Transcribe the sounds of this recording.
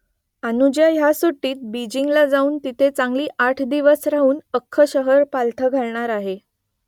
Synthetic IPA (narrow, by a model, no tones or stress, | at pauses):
anud͡ʑjajasoʈːiːt̪̚bid͡ʑiŋɡlad͡zauːnt̪it̪ʰet͡saŋɡliːʔaʈʰd̪iʋəsɾaɦuːnəkʰːəɕəɦəɾpalt̪ʰəɡʱaɭɳaɾaɦe